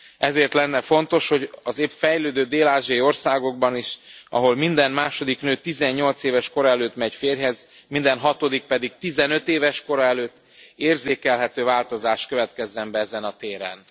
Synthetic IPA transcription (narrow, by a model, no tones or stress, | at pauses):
ɛzeːrt̪lɛnːɛfo̞nt̪o̞ʃho̞ɟɒzeːpfɛjløːd̪øːd̪eːlaːʒiɒjio̞rsaːɡo̞ɡ̚bɒniʃɒ̰ɦo̞lmind̪ɛnmaːʃo̞d̪iknøːt̪izɛɲːo̞lt̪seːvɛʃko̞ɾɒɛløːt̪mɛɟfeːrɦɛz | mind̪ɛnɦɒt̪o̞d̪ik̚pɛd̪ik̚t̪izɛnøt̪eːvɛʃko̞ɾɒɛløːt̪ː | eːrzeːkɛlɦɛt̪øːvaːlt̪o̞zaːʃt̪køvɛt̪kɛzːɛmbɛɛzɛnɒt̪eːɾɛ̰n